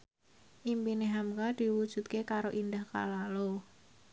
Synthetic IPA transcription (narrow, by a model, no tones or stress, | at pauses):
ʔimpineɦamkad̪̥i̤wud̥ʒ̥ṳt̪̚kekaɾoʔind̪ahka̰lalo